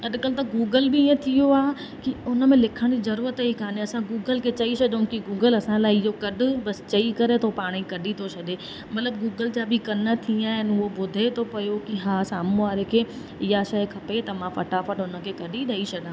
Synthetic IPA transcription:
ɐɗkəlt̪ɐɡuːɡəlbɪːə̃t̪ʰijoaːɦ | kiʊnəmẽlɪkʰəɽ̃d͡ʑizɐɾuːɾət̪əikʰaːnẽɐsãɡuːɡəlkʰet͡ɕɐisɐɗʊ̃kiɡuːɡəlɐsãlaːɪɪjokɐɗʱʊ̆bɐst͡ɕɐikɐɾet̪ʰopaːɽ̃ikɐɗit̪ʰot͡ɕʰɐɗe | mɐt̪ləbɡuːɡəld͡ʑabʱɪkɐnət̪ʰĩaːɦɪnʊɦobʊd̪ʱet̪ʰopɐjokiɦaːsaːmũʋaːɾekʰeː | ɪjaʃɐjkʰɐpet̪ɐmãfɐʈaːfəʈʊnəkʰeːkɐɗiɗɐisʰɐɗãː

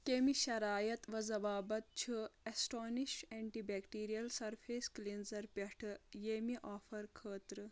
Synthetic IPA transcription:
kemiʃɐɾaːjɐt̪ʋɐzɐʋaːbɐt̪̚t͡ʃʰɨesʈoːniʃeːɳʈibɛːkʈiːɾijɐlsɐɾfʰeːsklinzɐɾpʲɐʈʰɨjeːmiʔɔːfɐɾkʰəːt̪ɾɨ

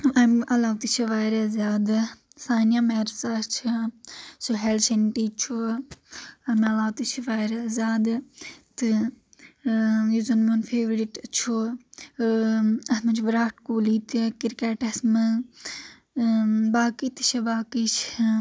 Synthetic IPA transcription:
ɐmɐlaːʋt̪it͡ʃʰɐʋaːɾɐzʲaːd̪ɨ | saːnjaːmeːɾsat͡ʃʰ | soɦelʃenʈiːt͡ʃʰo | ɐmɐlaːwt̪it͡ʃʰʋaːɾɐzʲaːd̪t̪ɨ | juzɐnmonfʰeːʋɾiʈt͡ʃʰo | ɐsmɐt͡ʃʰbɾaːʈkuːliːt̪ikiɾkeːʈɐsmɨ | baːkit̪i̥t͡ʃʰɐbaːkit͡ʃʰ

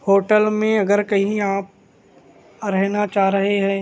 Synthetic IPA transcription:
hoːʈəlmẽɐɡəɾkɐɦĩaːp̚ | ɾɛɦnat͡ʃaːɾɐɦeɦɛ̃ː

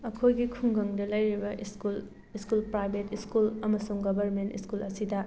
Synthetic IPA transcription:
ɐkʰojɡikʰuŋɡɐŋdɐlɐjɾibɐskul | iskulpɾajbʱetiskulɐmɐsuŋɡɐbɐɾmentḭskulɐsidɐ

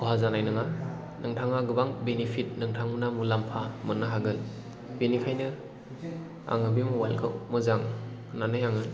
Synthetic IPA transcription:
kʰɔɦazanajnɯŋa | nɯŋtʰaŋaɡɯbaŋbenipʰit̚nɯŋtʰaŋmunamulampʰamɯnːɯɦaɡɯn | b̥enikʰajnɯ | a̰ŋɯbimuwalkʰɯwmɯzaŋnanɯjaŋɯn

